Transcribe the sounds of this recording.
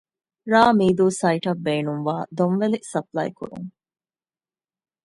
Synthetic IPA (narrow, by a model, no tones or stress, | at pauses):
ɾaːmiːd̪uːsɐiʈɐbːeːnuŋʋaːd̪onʋelisɐplɐ̰jkṵɾṵŋ